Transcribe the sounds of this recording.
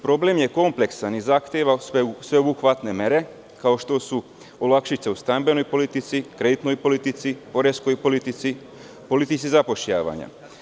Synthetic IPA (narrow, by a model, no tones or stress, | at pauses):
pɾo̞blemje̞ko̞mple̞ksanizaxt̪jeʋasʋe̞obuxʋat̪ne̞meɾe̞ | kao̞ʃt̪o̞su | olˠakʃit̪seust̪ambe̞no̞jpo̞lit̪it̪sikɾe̞d̪it̪no̞jpolit̪it̪sipo̞ɾesko̞jpolit̪isi | po̞lit̪it͡ʃ̪izapo̞ʃʎa̰ːʋa̰ɲa̰